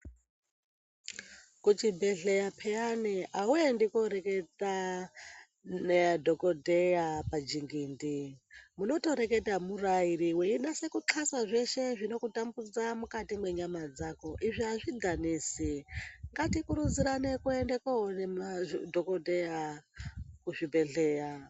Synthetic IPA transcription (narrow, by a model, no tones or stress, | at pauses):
kut͡ʃibʱeɮejapʰejaniʔauendikoɾeketa | nedʱokodʱejapad͡ʒiŋɡindimuno̞to̞ɾe̞ke̞tamuraiɾiweiɗase̞kuǁʰasaʐe̞ʃe̞ʐino̞kutambud͡zamukatimwe̞ɲamad͡zako̞ʔiʐiaʐiɡʱaniːsiŋɡatikuɾud͡ziɾanekuendekaɦonemadʱokodʱeja | kuʐibʱe̞ɮeːja